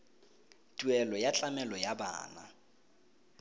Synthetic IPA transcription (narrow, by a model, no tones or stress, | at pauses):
tʼwɛlɔjat͡ɬʼamɛlɔjaba̰ːna̰